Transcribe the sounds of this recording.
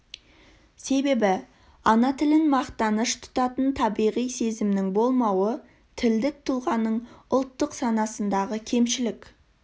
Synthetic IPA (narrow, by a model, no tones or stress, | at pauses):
se̞be̞bɪ | ɑnɑt̪ʰɪlɪnmɑqt̪ɑnəʃt̪ʰʊ̥t̪ɑt̪ənt̪ʰɑbijʁijse̞zɪmnɪŋbo̞lˠmɑwə | t̪ʰɪld̪ɪk̚t̪ʰʊlˠʁɑnəɴʊlˠt̪ːəqsɑnɑsənd̪ɑʁəkʲʰe̞mʃɪlɪk